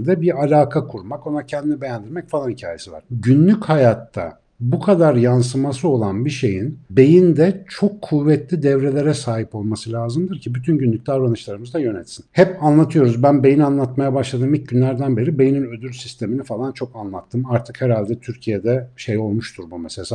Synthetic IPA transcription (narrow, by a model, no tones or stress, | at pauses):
d̪ɛbiɾalʲaːkʰakʰuɾmako̞nacʰɛnd̪inibe̞jænd̪iɾmɛcfalˠanhicʰaːje̞siva̰ɾ̥ɟynlʲychajat̪ʰːa̰ | bukʰad̪aɾjans̬ɯmasɯo̞lˠanbiʃe̞jinbe̞jind̪ɛt͡ʃʰo̞kʰːuvːɛt̪lʲid̪ɛvɾelʲe̞ɾɛsaːɦipo̞lˠmasɯlʲaːzɯmd̪ɯɾcʰibyt̪ʰynɟynlʲyc̚ʲd̪ʲavɾanɯʃlˠaɾɯmɯzd̪ajø̞nɛt̪sinhɛpanlˠat̪ʰɯjo̞ɾuzbænbe̞jinanlˠat̪majabaʃlˠad̪ɯːmic̚ɟynlʲæɾd̪ænbe̞ɾibe̞jininø̞d̪yɾsist̪ʰe̞minifalˠant͡ʃʰo̞kanlˠat̪ʰːɯmaɾt̪ʰɯkhɛɾalʲd̪ɛt̪ʰyɾcʰijed̪ɛʃejo̞lˠmuʃt̪ʰuɾbumeselʲsa